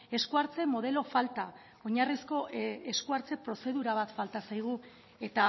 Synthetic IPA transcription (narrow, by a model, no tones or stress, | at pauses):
e̞skuaɾt͡se̞mo̞ðe̞lo̞falt̪a | o̞ɲarisko̞e̞skuaɾt͡se̞pɾo̞se̞ð̞uɾaβ̞at̪falt̪asajɣ̞u | e̞t̪a